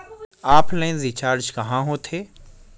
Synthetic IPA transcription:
aːplɛ̃ːnzit͡ʃaːɾd͡ʒkɐɦãɦõt̪ʰeː

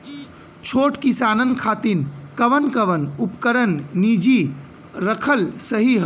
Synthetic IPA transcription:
t͡ʃʰoʈkisanənkʰat̪inkəʋənkəʋənupkəɾənːid͡ʒi | ɾəkʰəlsəɦiɦ

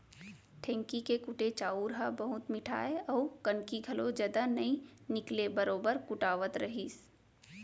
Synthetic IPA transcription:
ʈʰɛ̃ːŋkikekʊʈet͡ʃaːuːɾɦabɐɦʊt̪mɪʈʰa̰ːeɔːkɐnkiɡʱɐlod͡ʒɐd̪anɐĩnɪklebəɾoːbəɾkʊʈaːʋət̪ɾɐɦiːs

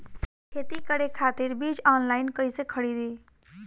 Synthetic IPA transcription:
kʰeːt̪ikəɽekʰaːt̪iɾbid͡ʒɔːnlaːɪnkəisekʰəɽid̪i

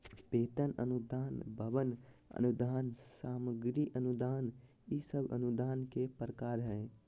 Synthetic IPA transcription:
peːt̪ənə̰nud̪aːnbʱəbənə̰nud̪aːnsaːməɡɾiʔənud̪aːn | isəbə̰nud̪aːnkepɾəkaːɾɦɛ̃

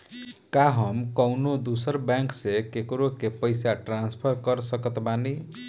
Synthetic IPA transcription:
kaɦəmkəwnod̪usəɾbãŋksekekɾokepəɪsaʈɾãnspʰəɾkəɾsəkət̪bani

